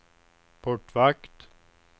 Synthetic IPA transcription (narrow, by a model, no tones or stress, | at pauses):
pʰɔʈʋakt̪